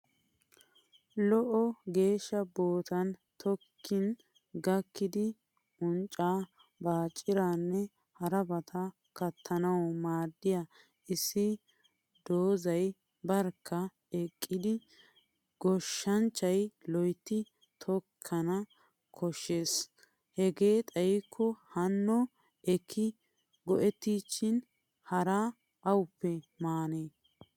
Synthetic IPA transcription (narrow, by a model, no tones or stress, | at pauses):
lɔʔɔɡe̞ːʃːɐbo̞ːt̪ɐnt̪ʰɔkʰːɪn | ɡɐkːɪd̪ɪ | ʊnt͡ʃʼaː | baːt͡ʃʼːɪɾaːnːɛ | hɐɾɐbɐt̪ʰɐ | kɐt̪ʰːɐnɐwɔmaːd̪ːɪja | ɪsːɪ | d̪oːzɐj | bɐɾkʰːɐ | ɛkʼːɪd̪ɪ | ɡɔʃːɐnt͡ʃːɐjlɔjt̪ːɪ | t̪ʰɔkʰːɐnɐ | kʰɔʃːeːs | hɛɡeːt̪ʼɐjɪkʰːɔhɐnːɔ | ɛkʰːɪ | ɡɔʔɛt̪ːiːʃɪn | hɐɾaː | ʔɐwʊpːɛmaːneː